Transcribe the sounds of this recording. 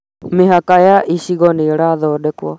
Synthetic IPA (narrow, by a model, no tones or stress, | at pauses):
mɪɦakajaʔiʃiɣɔniɺaðɔɗɛkwɔ